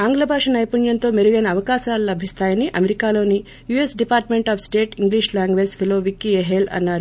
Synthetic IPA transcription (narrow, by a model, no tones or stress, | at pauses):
aːŋɡlɐbʱaːʂɐnɐjpuɳjɐnt̪o̞ːmeɾuɡɐnɐːʋɐkaːʃaːlulɐbʱist̪aːjɐniʔɐmeɾikaːlo̞ːni | juesɖipaːɾʈme̞ɳʈaːpʰsʈe̞ːʈiŋɡliːʃlaːŋɡʋeːspʰiloːʋikːieɦelɐ̰nːaːɾu